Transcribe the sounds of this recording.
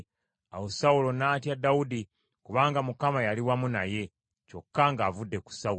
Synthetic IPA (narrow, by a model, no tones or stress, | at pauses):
awosaulo̞naːtjadaudi | kuβaːŋɡamukamajaliwamunaje̞ | co̞kːaŋɡaːvudːe̞ku̥sau